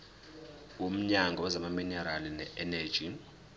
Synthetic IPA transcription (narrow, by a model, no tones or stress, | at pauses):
um̩ɲaŋɡʱɔɛzamaminɛɾalinɛ̰ɛnɛ̥d͡ʒ̥ʱi